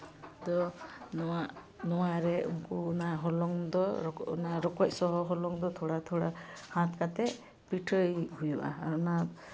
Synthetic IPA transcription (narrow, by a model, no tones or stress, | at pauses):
d̪ɔnɔaʔ | nɔwaɾɛṵmkuːnaɦɔlɔŋd̪ɔɔɔ̰naɾɔkɔc̚sɔɦɔɦɔlɔŋd̪ɔt̪ʰɔɽat̪ʰɔɽahãt̪ʰkat̪ɛ | piʈʰəjɦujuʔa̰ːɾɔna